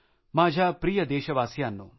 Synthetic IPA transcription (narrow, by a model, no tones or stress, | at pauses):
maːd͡ʒʱaːpɾijɐd̪eːʃɐʋaːsjaːnːṵ